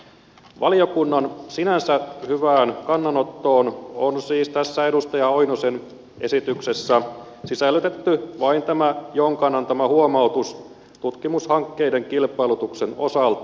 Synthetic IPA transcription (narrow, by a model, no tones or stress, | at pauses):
ʋʔɑlio̞kunːɑnsinænsæhyʋæːnkɑnːɑnot̪ːo̞ːnonsiːst̪æsːæedust̪ɑjɑojnosen | ʔe̞sit̪yksesːæ | sisælːyt̪e̞t̪ːyʋɑint̪æmæjoŋkɑnːɑnt̪æmæhuomɑut̪us | t̪ut̪kimushɑŋkːeide̞ŋkilpˑɑilut̪ukseno̞̰sɑlt̪